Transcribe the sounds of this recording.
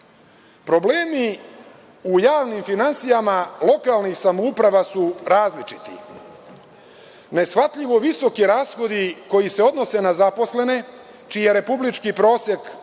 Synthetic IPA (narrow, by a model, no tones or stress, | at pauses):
pɾo̞bleːmi | ujaːʋnimfinansijamalˠo̞kalnixsamoupɾaʋasuɾaːzlit͡ʃi̥t̪ḭ | ne̞sxʋat̪ʎiʋo̞ʋiso̞kiɾaːsxo̞d̪iko̞jise̞o̞d̪no̞se̞nazapo̞sle̞ne̞ | t͡ʃije̞ɾe̞publit͡ʃkipɾo̞ːsjek